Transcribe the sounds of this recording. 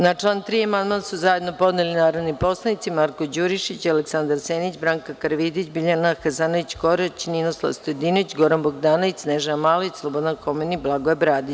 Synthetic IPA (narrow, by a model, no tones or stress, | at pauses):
nat͡ʂlˠant̪ɾiːamand̪mansuzaje̞d̪no̞po̞d̪nelinaːɾod̪nipo̞slˠanit̪simaɾkod͡ʑuɾiʃit͡ɕaleksand̪aɾseːnit͡ɕbɾaŋkakaɾʋid̪it͡ɕbiʎanaxazanoʋit͡ɕɡoɾet͡ɕninoslˠa̰st̪ojd̪inoʋit͡ɕɡoɾanboɡd̪aːnoʋisneʒamaːlˠoit͡ɕslˠobod̪ankomeniblˠaɡoebɾaːd̪i